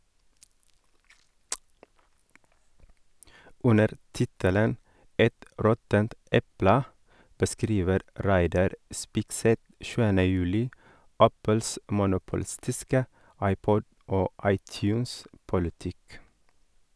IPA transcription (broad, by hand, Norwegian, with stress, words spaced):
ˈʉnəɾ ˈtɪtələn ˈɛt ˈɾɔtənt ˈɛplə bəˈskɾiːʋəɾ ˈɾæɪdɑɾ ˈspɪɡsɛt ˈʃʉːənə ˈjʉːlɪ ˈæpəls mʊnʊpʊˈlɪstɪskə ˈɑɪˌpɔd ˈoː ˈɑɪˌtjʉːns pʊlɪˈtɪk